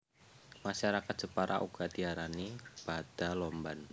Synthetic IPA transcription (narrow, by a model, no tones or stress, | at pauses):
maʃaɾakat̪̚ʒ̥əpaɾʔa̰ʔṵɡ̥at̪iaɾanib̥ad̥alɔmban